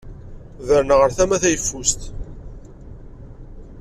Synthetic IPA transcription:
ðəɾnəʁəɾθæmæθæjəfːust̪

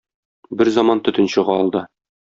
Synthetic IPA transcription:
bɘɾzɑmɑnt̪ɵ̆t̪ɵ̆nɕɤ̆ʁɑɒlˠd̪ɤ

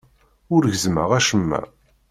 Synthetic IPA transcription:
ʊɾʝəzmə̰ʁæʃəmːæ̰

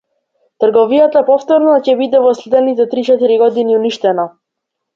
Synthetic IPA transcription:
t̪r̩ɡɔvijat̪apɔft̪ɔɾnacɛbid̪ɛvɔslɛd̪ɛnit̪ɛt̪ɾit͡ʃɛt̪iɾiɡɔd̪iniuniʃt̪ɛna

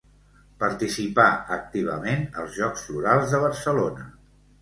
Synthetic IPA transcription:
pəɾt̪isipaək̚t̪iβ̞ə̰menə̰lˠzʒɔkz̥fuɾalˠzðəβ̞əɾsəlonə

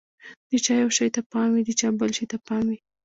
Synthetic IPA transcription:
d̪̥ət͡ʃɑjawʃɑjt̪apɑmwid̪ət͡ʃɑbəlʃəjt̪apɑmwi

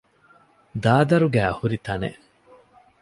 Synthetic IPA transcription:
d̪aːd̪ɐɾuɡæːɐhuɾit̪ɐnḛ

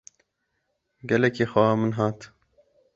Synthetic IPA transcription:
ɡɛlɛkeːxamɨnɦɑːt̪

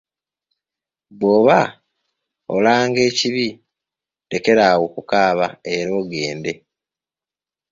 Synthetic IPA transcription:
βoːβa | o̰laːŋɡe̞ːciβi | de̞ke̞ɾawokukaːβae̞ɾo̞ːɡe̞ːnde̞

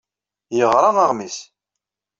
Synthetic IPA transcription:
jəʁɾˤɑɑʁmis

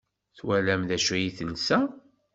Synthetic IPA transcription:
θwælæmðæʃæjiθənːsæ

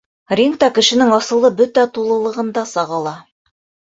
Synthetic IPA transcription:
rʲiŋkt̪ɑkɘ̆ʃɘ̆nɘŋɑsɤ̆lˠɤbɵt̪æt̪ulˠɤ̆lˠɤ̆ʁɤ̆nd̪ɑsɑʁɑlˠɑ

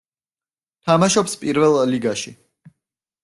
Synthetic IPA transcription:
t̪ʰamaʃɔpspʼiɾvɛlˠːiɡaʃi

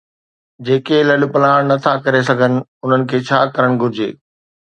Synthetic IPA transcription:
d͡ʑeːkelɐɗʊ̆pɐlaːɽ̃nɐt̪ʰakɐɾes̬ɐɡʱənɪ̆ʊn̤ənɪ̆kʰeːt͡ɕʰaːkɐɾəɽ̃ɡʱʊɾɪd͡ʑḛː

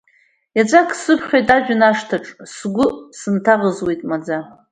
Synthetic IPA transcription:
jat͡sʷʼakʰsɨpʰχʲojtʼad͡ʒᶣʊnaʂtʰaʈ͡ʂʼsɡʷʊsɨntʰaʁəzwe̞jtʼmad͡za

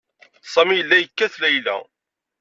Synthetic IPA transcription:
sˤæmijəlːæjəkːæθlæjlæ̰

